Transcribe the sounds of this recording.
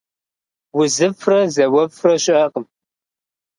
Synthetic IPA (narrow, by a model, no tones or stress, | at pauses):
wʊzɨfʰrɐzɐwɐfʰrɐɕʼɐqʼəm